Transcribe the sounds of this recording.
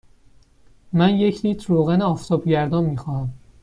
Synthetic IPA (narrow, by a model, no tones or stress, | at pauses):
mænje̞cʰliːt̪ʰɾoːɣæneɒːft̪ʰɒːbɟæɾd̪ɒnmiːxɒːhæm